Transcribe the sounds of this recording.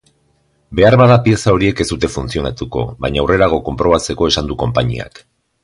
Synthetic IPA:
be̞aɾβaðapie̞sao̞ɾie̞ke̞zd̪ut̪e̞funt͡sio̞nat̪uko̞̰βajɲaːwre̞ɾaɣ̞o̞ko̞mpɾo̞β̞at͡se̞ko̞e̞sand̪uko̞mpaɲḭa̰k

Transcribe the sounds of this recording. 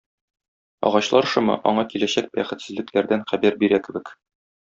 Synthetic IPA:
ɒ̰ʁɑɕlˠɑɾʃɤmɤ̰ʔɒ̰ɴɑkilæɕæk̚bæχɘ̆t̪sɘ̆zlɘ̆klæɾd̪ænχæbæɾbiɾækɘ̆bɘ̆k

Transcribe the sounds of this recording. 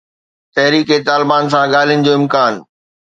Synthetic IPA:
t̪ɐɦɾiːket̪aːlɪbaːns̬ãɠaːl̤ijənɪ̆d͡ʑoːɪmkaːn

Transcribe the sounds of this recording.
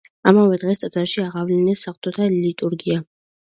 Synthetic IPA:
amavɛd̪ʁɛst̪ʼazaʃiaʁavlɛnɛsːaχt̪ʼɔt̪ʰalit̪ʼuɾɡia

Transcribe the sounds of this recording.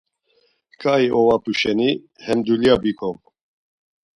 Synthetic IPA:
kʰaːiʔowapuʃɛni | hɛmd̪uliabikʰom

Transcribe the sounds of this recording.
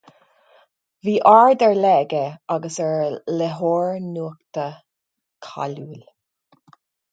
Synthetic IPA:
viːʔaːɹd̪ɛɹlɛːɡəaɡəsɛɹlɛɦoːɹnuək̚t̪ə | kʰa̰luːl

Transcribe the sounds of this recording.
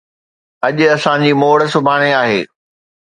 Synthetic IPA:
ɐʄʊɐsãd͡ʑiːmoːɽə̆sʊbʱaːɽ̃eaːɦeː

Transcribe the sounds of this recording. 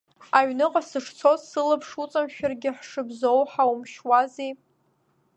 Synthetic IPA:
aɥnɨqʼasɨʂt͡sʰo̞zsɨlɨpʰʂut͡sʼamʃᶣarɡʲɪħʂɨbzowħaumʃwazej

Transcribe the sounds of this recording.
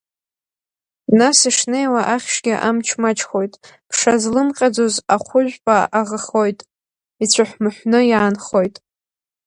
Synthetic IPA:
nasiʂnejwaʔaχʲʃɡʲaʔamt͡ʃʰmat͡ʃʰʼχo̞jtʼ | pʰʂazlɨmqʲʼad͡zozaχʷʊʒᶣʷpʼaaʁəχo̞jtʼ | it͡ɕʷʰaħʷmɨħʷnɨjaːnχo̞jtʼ

